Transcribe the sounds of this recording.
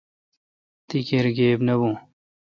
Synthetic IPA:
t̪ikeɾɡeːbnɐbũː

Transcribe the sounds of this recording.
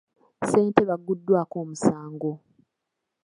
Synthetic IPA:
se̞ːnteβaɡːudːwaːkoːmusaːŋɡo̞

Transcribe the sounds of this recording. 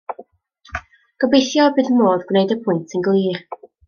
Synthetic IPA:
ɡ̥əbejθjɔbɨðəmoːðɡwnejdəpʰʊɨntʰənɡlˠiːr

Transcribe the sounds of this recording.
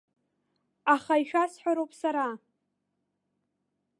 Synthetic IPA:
aχaiʃᶣasħʷᶣaɾowpʼsaɾa

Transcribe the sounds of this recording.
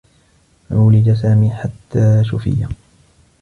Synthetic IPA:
ʔuːlɪd͡ʒasaːmiːħat̪ʰːaːʃʊfɪ̰jːa

